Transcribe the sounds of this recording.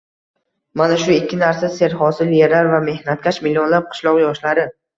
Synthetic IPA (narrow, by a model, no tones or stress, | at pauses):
manaʃʊɪkʲʰːɪnaɾsase̞ɾhɒsɪljeɾaɾvame̞hnat̪̚kʲaʃmɪlionlap̚qʰɨ̥ʃlˠɒqjɒʃlaɾɪ